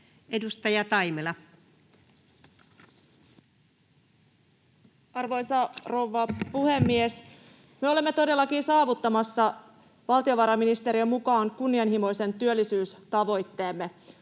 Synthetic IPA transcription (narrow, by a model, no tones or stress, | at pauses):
e̞dust̪ɑjɑt̪ɑjmelɑ | ɑrʋo̞jsɑroʋːɑpuhe̞mːies | meo̞le̞mːe̞t̪o̞de̞lːɑkinsɑːʋut̪ːɑmɑsːɑ | ʋɑlt̪io̞ʋɑɾɑminist̪eɾiømmukɑːŋkunːiɑnhimo̞jse̞nt̪yølːisyːst̪ɑʋo̞jt̪ːe̞ːmːe̞